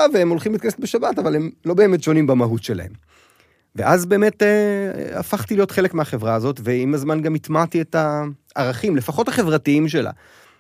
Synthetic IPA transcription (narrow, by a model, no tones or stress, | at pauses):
aveemo̞lχimlitkaneset̚beʃabatavale̞mlo̞be̞ːme̞tʃo̞nimbamaɦutʃe̞la̰he̞m | ve̞̰ʔazbe̞ːme̞tea̰faχtilijo̞tχelekmeaχe̞vʁaːzo̞tveimazmanɡamit̪matietaʔaʁaχimlefaχo̞taχe̞vʁatiimʃ̬ela̰